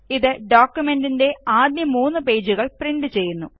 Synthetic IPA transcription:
iðɨɖoːkjume̞ndinde̞aːd̪jɐmuːnːupe̞ːd͡ʑuɣɐɭpriɳɖɨt͡ɕe̞jːunːṵ

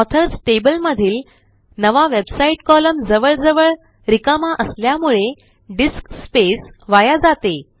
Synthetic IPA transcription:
ɔt̪ʰəɾsʈebəlməd̪ʱiːl | nəʋaʋebsaiʈkɔləmd͡zəʋəɭd͡zəʋəɭ | ɾikəmaʔəsljamuɭe | ɖiskspesʋajad͡zat̪e

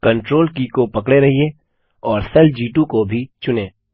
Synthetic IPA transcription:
kɐ̃ɳʈɾoːlkikopɐkɽeɾɐɦie | ɔːɾsɛld͡ʒiːʈukobʱit͡ʃʊneː

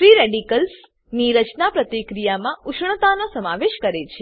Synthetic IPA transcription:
fɾiɾɛɖikəls | niɾət͡ʃnapɾət̪ikɾijamãuʃɳ̃ət̪anosəmaʋeʃkəɾet͡ʃʰe

